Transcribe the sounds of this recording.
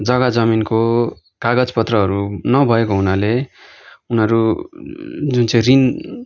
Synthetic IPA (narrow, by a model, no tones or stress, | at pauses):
d͡zʌɡad͡zʌminko | kaɡʌd͡zpʌt̪rʌɦʌɾunʌbʱʌekoɦunale | unʌɾu | d͡zunt͡sʌ̃j̃rin